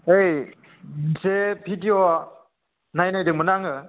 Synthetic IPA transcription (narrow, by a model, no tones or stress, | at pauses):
ej | zepʰitiɔ | najnajdɯmɯnaŋɯ